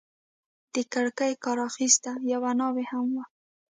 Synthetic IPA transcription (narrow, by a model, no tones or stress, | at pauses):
d̪̥əkaɽkajkɑɾɑxist̪ajawanɑwehamwa